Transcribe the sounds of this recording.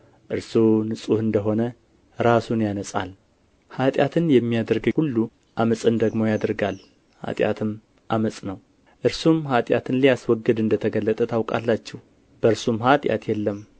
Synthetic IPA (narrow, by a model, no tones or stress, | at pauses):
ʔɨɾsunɨsʼuhɨnd̪əɦo̞nə | ɾasunjanəsʼa̰l | hat̪ʼjat̪ʰɨnjɛmːijad̪əɾɡəhulːu | ʔaməsʼɨnd̪əɡmo̞jad̪əɾɡal | ha̰t̪ʼja̰t̪ʰɨm | ʔaməsʼnəw | ʔɨɾsumhat̪ʼjat̪ʰɨnlijaswɔɡːɨd̪ɨnd̪ət̪ʰəɡəlːət̪ʼət̪ʰawkʼa̰lːat͡ʃːɛw | b̥əɾsumɦat̪ʼja̰t̪ʰjɛlːəm